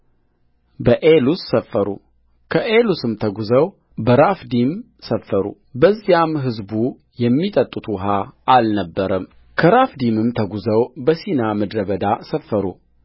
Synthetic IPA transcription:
bəʔelusːəfːəɾṵ | kʰəʔelusɨmt̪ʰəɡuzəw | bəɾafd̪im | səfːəɾṵ | bəzːijamɦɨzbu | jɛmːit̪ʼət̪ʼːut̪ʰuwɦaalnəbːəɾəm | kʰəɾafd̪imɨmt̪ʰəɡuzəwbəsinaməd̪ɾəβəd̪asəfːəɾṵ

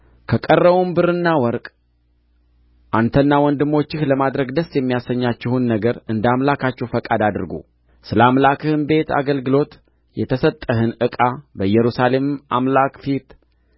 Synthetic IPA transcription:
kʰəkʼərːəβumbɨɾɨnːawɔɾkʼ | ʔant̪ʰənːawɔnd̪ɨmːo̞t͡ʃːɪhləmad̪ɾəɡd̪əsːjɛmːijasəɲːat͡ʃːɪhunːəɡəɾɨnd̪amlakʰat͡ʃːɛwfəkʼad̪ad̪ɨɾɡṵ | sɨləamlakʰɨhɨmbe̞t̪a̰ɡəlɡɨlo̞t̪ | jɛt̪ʰəsət̪ʼːəɦɨnɨkʼabəjɛɾusale̞mʔamlakfit̪

